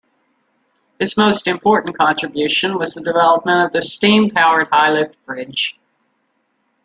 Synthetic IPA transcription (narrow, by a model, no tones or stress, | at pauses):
hɨsmoʊstɨ̃mpʰɔɹʔn̩kʰɑ̃ntɹ̥ɨbjʉʃɨ̃nwʌzðɨdɨvɛlˠəp̚mə̃ɾ̃ʌvðɨstĩmpʰaʊə˞d̚haɪlɪvd̚b̥ɹɪd̥ʒ̥